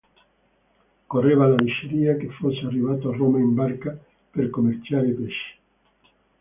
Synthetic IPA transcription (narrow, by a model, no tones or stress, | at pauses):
koreβalaliʃeɾiakefoseariβat̪oaromaembaɾka | peɾkomeɾt͡ʃaɾepeʃi̥